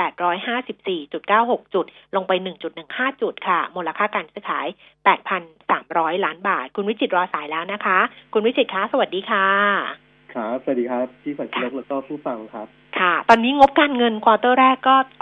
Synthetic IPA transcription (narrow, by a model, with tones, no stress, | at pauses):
pɛː˨˩t̪̚ɾɔː˦˥jɦaː˥˩si˨˩p̚siː˨˩t͡ɕu˨˩t̪̚kaː˥˩who˨˩k̚t͡ɕu˨˩t̪̚lo˧ŋpa˧jnɯ˨˩ŋt͡ɕu˨˩t̪̚nɯ˨˩ŋhaː˥˩t͡ɕu˨˩t̪̚kʰa˥˩moː˧la˧kʰaː˥˩kaː˧nsɯː˧˦˩kʰaː˩˦j | pɛː˨˩t̪̚pʰa˧nsa̰ː˩˦mɾɔː˦˥jlaː˦˥nbaː˨˩t̪̚kʰu˧nwi˦˥t͡ɕʰi˨˩t̪̚ɾɔː˧saː˩˦jlɛː˦˥wna˦˥kʰa˦˥kʰu˧nwi˦˥t͡ɕi˨˩kʰa˦˥sa˧wa˨˩t̪̚diː˧kʰaː˥˩ | kʰa˦˥p̚sa˧˩˨diː˧kʰa˦˥p̚t̪ʰiː˥˩saː˨˩˦jo˦˥k̚lɛː˦˥kɔː˥˩pʰuː˥˩fa˧ŋkʰɾa˦˥p̚kʰa˥˩t̪ɔː˧nːiː˦˥ŋo˦˥p̚kaː˧nŋɤ˧nkʰwaː˧t̪ɤː˥˩ɾɛː˥˩kːɔː˥˩